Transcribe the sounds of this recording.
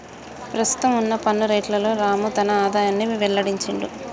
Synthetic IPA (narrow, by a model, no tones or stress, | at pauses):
pɾɐst̪u̥t̪ɐmunːɐpɐnːuɾeːʈlɐlo̞ːɾaːmut̪ɐnɐaːd̪aːjanːiʋʋɛɭːɐɽiɲt͡ʃɐɳɖu